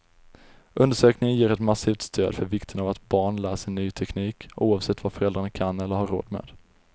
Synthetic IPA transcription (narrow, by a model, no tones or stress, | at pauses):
ʔɵnd̪əʂøːknɪŋənjeːɾɛt̪masiːft̪st̪ʰøːd̪fœɾvɪkt̪ʰənavat̪bɑːɳlæːsəɳyːt̪ʰɛkniːkuːɑvsɛt̪ːvafœɾɛld̪ɾaɳnakʰanːɛlːəɾhaɾːo̰ːd̪mḛːd̪